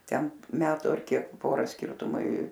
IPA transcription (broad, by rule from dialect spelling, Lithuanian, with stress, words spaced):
ˈtʲɛn ˈmʲæːtʊ ɐr ˈkʲiɛk ˈpoːrɐ ˈsʲkʲɪrtʊmɐɪ